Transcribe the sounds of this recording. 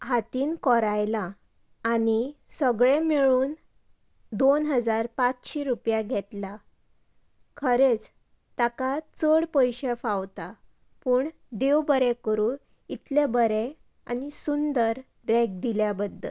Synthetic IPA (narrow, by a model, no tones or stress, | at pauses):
ɦat̪iːnkɔɾajlaː | nisəɡɭemeɭuːn | d̪onɦəd͡zaɾpat͡sɕiɾupjaɡʱet̪la | kʰəɾet͡s | t̪akat͡səɽpəjɕefawt̪a | puːɳ | d̪ewbəɾekəɾuːn | it̪lebəɾe | anisund̪əɾ | ɾek̚d̪iljabəd̪ʱːə̰l